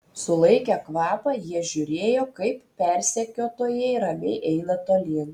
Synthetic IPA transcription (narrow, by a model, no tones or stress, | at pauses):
sʊlˠɐɪkʲɛkʋɑːpɑjiɛʒʲʊɾʲeːjoːkɐɪppʲɛˑɾʲsʲɛkʲoːt̪oːjɛɪɾɐʋʲɛɪʔɛɪnɐt̪oːlʲiːn